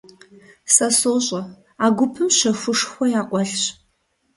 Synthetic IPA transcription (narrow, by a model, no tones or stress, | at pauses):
sɐsoːɕʼɐ | aːɡʷʊpʰɨmɕɐxʷʊʂxʷɔjaːqʷʼɔɬɕ